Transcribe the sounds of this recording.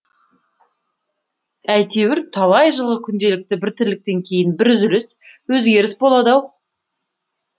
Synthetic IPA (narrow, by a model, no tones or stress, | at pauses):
æjt̪ʰe̞wɪɾt̪ʰɑlˠɑjʒəlˠʁəkʲʰʏnd̪e̞lɪk̚t̪ɪbɪɾt̪ʰɪɾlɪk̚t̪e̞ŋkʲʰe̞jɪnbɪɾʏzʏɾɪs | wɵzɡʲe̞ɾɪsbo̞lˠɑd̪ɑw